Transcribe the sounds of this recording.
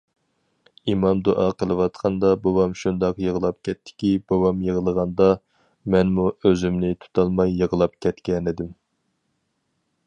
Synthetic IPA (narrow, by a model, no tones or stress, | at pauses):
imɑmd̪uʔɑqʰəlˠɨwɑt̪qʰɑnd̪ɑbowɑmʃund̪ɑqjəʁəlˠɑp̚kʲʰɛt̪ʰːɪ̥kʲibowɑmjəʁəlˠəʁɑnd̪ɑ | mɛnmuøzymnɪt̪ʰu̥t̪ʰɑlˠmɑjːəʁəlˠɑp̚kʲɛt̪kʲɛnɪd̪ɪm